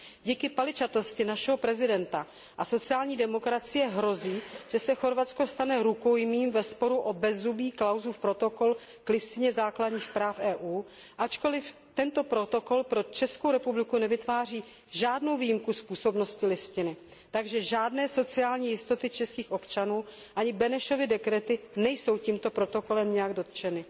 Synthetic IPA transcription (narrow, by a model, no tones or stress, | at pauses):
ɟiːkɪpalɪt͡ʃat̪o̞scɪnaʃɛɦo̞pɾɛzɪdɛnt̪a | ʔaso̞t͡sɪaːlɲiːdɛmo̞kɾat͡sɪjɛɦɾo̞ziːʒ̥ɛsɛxo̞ɾvat͡sko̞st̪anɛɾuko̞jmiːmvɛspo̞ɾuʔobɛzubiːklawzufpɾo̞t̪o̞ko̞l | klɪst̪ɪɲɛzaːkladɲiːxpɾaːfʔɛːʔuː | ʔat͡ʃko̞lɪf | t̪ɛnt̪o̞pɾo̞t̪o̞ko̞lpɾo̞t͡ʃɛskowɾɛpublɪkunɛvɪt̪vaːr̝iː | ʒaːdno̞wviːjɪmkuspuːso̞bno̞scɪlɪscɪnɪ | t̪aɡʒɛʒaːdnɛːso̞t͡sɪaːlɲiːjɪst̪o̞t̪ɪt͡ʃɛskiːxʔo̞pt͡ʃanuː | ʔaɲɪbɛnɛʃo̞vɪdɛkɾɛt̪ɪnɛjso̞wciːmt̪o̞pɾo̞t̪o̞ko̞lɛmɲɛjaɡdo̞t̪t͡ʃɛnɪ